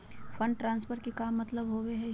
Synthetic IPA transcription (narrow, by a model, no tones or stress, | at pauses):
fʰɐ̃ɳɖ̚ʈɾãːnspʰəɾkikaːmːɐt̪ləbɦoːweɦɛ